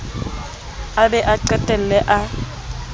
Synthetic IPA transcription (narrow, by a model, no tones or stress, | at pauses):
abɛʔaǀɛtʼɛl̩lɛʔa